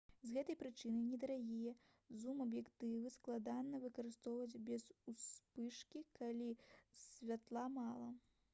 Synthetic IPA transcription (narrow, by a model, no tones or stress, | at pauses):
zɣɛt̪ɐjpɾɨt͡ʂɨnɨnʲɛd̪ɐɾaɣʲijɛ | zumɐbjɛkt̪ɨvɨsklˠad̪anːɐvɨkɐɾɨst̪ɔwvɐd͡zʲbʲɛzuspɨʂkʲikalʲisʲvʲat̪lˠamalˠɐ